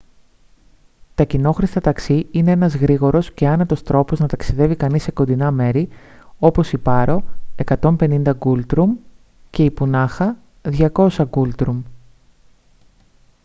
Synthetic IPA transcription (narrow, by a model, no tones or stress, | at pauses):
t̪ɐcino̞xɾist̪ɐt̪ɐksiine̞enɐzɣɾiɣo̞ɾo̞sce̞ɐnɐt̪o̞st̪ɾo̞po̞znɐt̪ɐksiðe̞vikɐnise̞ko̞nd̪inɐme̞ɾi | o̞po̞sipɐɾo̞e̞kɐt̪o̞mpe̞nind̪ɐɡult̪ɾum | ce̞ipunɐxɐ | ðʝɐko̞sɐɡult̪ɾum